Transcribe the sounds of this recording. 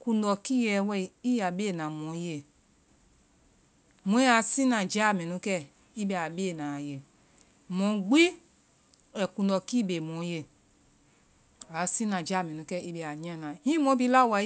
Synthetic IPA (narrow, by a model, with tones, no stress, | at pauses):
kũ˧ndɔ˨ki˦jɛ˨wɛ˦i˨i˦ja˨be˦˨nã˨mɔ̃˨˦je˨ | mõ˨˦ja˨sĩ˦nã˨d͡ʒa˦˨mɛ̃˨nũ˧˦kɛ˦˨ | i˦be˨a˨be˦˨nã˨je˨ | mɔ̃˨˦ɡ͡bi˦ | ɛ˨kũ˧ndɔ˨ki˦˨be˨mɔ̃˨˦je˦˨ | a˨˦sĩ˦nã˨d͡ʒa˦˨mɛ̃˨nũ˨˦kɛ˦˨i˦be˨a˨ɲã˦˨nã˨hĩ˦mɔ̃˧˦bi˦la˦˨wa˨˦